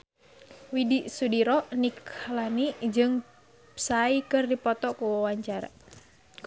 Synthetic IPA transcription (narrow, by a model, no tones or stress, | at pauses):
widiʔsudiɾɔniklaniʔd͡ʒɨŋ | saikɨrdipɔt̪ɔkuwaɲt͡ʃaɾa̰